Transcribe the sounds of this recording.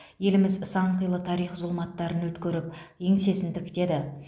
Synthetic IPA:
je̞lɪmɪzsɑɴqəjlˠət̪ʰɑɾijχzʊlˠmɑt̪ːɑɾənwɵt̪kʲɵɾɪp̚eŋse̞sɪnd̪ɪkʲd̪e̞d̪ɪ

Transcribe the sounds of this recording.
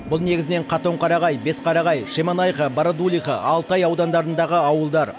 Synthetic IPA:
bʊlˠne̞ɡʲɪzɪne̞ɴqʰɑt̪o̞ɴqʰɑɾɑʁɑjbe̞sqʰɑɾɑʁɑjʃe̞mɑnɑjqɑbɑɾad̪ulʲˠijχɑʔɑlˠt̪ɑjɑwd̪ɑnd̪ɑɾənd̪ɑʁəɑwəlˠd̪ɑɾ

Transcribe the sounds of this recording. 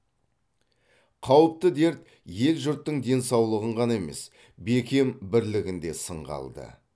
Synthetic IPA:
qʰɑwəp̚t̪əd̪e̞ɾt̪ | je̞lʒʊɾt̪ːəɴd̪e̞nsɑwlˠəʁəɴʁɑnɑeme̞̰s | be̞kʲe̞mbɪɾlɪɡʲɪnd̪e̞səɴʁɑ̰lˠd̪ə̰

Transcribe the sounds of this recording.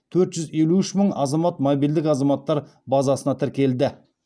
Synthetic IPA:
t̪ʰɵɾt̪ʒ̥ʏze̞luʏʃməɴɑzɑmɑt̪mobijld̪ɪkɑzɑmɑt̪ːɑɾbɑzɑsənɑt̪ʰɪɾkʲe̞ld̪ɪ

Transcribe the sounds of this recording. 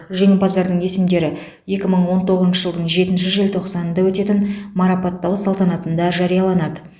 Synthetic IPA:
ʒe̞ŋʲɪbɑzd̪ɑɾd̪əɴe̞sɪmd̪e̞ɾɪ | je̞kʲɪməɴwo̞nt̪ʰo̞ʁəznʃəʒəlˠd̪əɴʒe̞t̪ɪnʃɪʒɪlt̪ʰo̞qsɑnənd̪ɑwɵt̪e̞t̪ɪnmɑɾɑpɑt̪ːɑwsɑlˠt̪ɑnɑt̪ənd̪ɑʒɑɾijɑlˠɑnɑd̪ə

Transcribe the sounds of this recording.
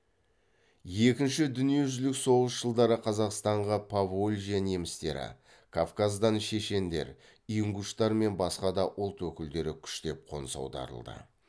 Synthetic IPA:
je̞kʲɪnʃɪd̪ʏnije̞ʒʏzlɪkso̞ʁəsʒ̥əlˠd̪ɑɾəqʰɑzɑqst̪ɑɴʁɑpʰavolʲʒijanemɪst̪e̞ɾɪ̰ | kʰafkazd̪ɑnʃe̞ʃe̞nd̪e̞̰ɾ | iuŋɡuʃt̪ɑɾme̞nbɑsqɑd̪ɑʔʊlˠt̪wɵkʲɪld̪e̞ɾɪkʲʰʏ̥ʃt̪e̞p̚qʰo̞̰nsɑ̰wd̪ɑ̰ɾə̰lˠd̪ə̰

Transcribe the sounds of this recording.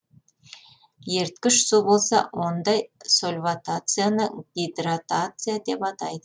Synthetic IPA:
je̞ɾt̪kʲɪʃsubo̞lˠsɑ̰wo̞nd̪ɑjsolʲvat̪at̪sɨjanəɡʲijd̪rat̪at̪sɨjad̪e̞pɑt̪ɑjd̪ə

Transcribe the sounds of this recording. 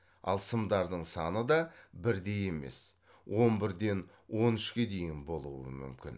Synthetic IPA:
ɑ̰lˠsəmd̪ɑɾd̪əɴsɑnəd̪ɑbɪɾd̪e̞je̞me̞̰s | wʔo̞nbɪɾd̪e̞n | wo̞nʏʃkʲe̞d̪e̞jɪnbo̞lˠuwə̰mʏ̰mkʲɪ̰n

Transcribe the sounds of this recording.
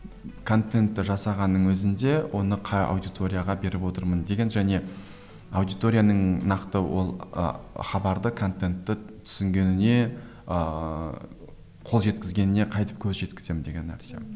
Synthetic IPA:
kʰo̞nt̪e̞nt̪ːɪʒɑsɑʁɑnːəɴwɵzɪnd̪e̞wʔo̞nəqʰɑjɑ̰wd̪ijt̪ʰo̞ɾʲijaʁɑbe̞ɾɪpwo̞t̪əɾmənd̪e̞ɡʲe̞nʒæne̞ | ɑwd̪ijt̪o̞ɾʲijanəɴnɑqt̪əwʔo̞̰lˠə̰χɑbɑɾd̪əkʰo̞nt̪e̞nt̪ːɪt̪ʰʏ̥sɪŋɡʲe̞nɪne̞ | ə | qʰo̞lˠʒe̞t̪kʲɪzɡʲe̞nɪneqʰɑjt̪ə̥p̚kʲʰɵzʒe̞t̪kʲɪ̥z̥e̞mɪnd̪e̞ɡʲe̞nːæ̰ɾse̞̰

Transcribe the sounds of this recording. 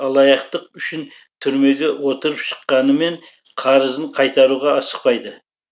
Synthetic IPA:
ɑlˠɑjɑqt̪əq̚ʏʃɪn | t̪ʰʏɾme̞ɡʲe̞wo̞t̪əɾəpʃə̥qːɑnəme̞ɴ | qʰɑɾəzəɴqʰɑjt̪ɑɾuʁɑːsə̥q̚pɑjd̪ə

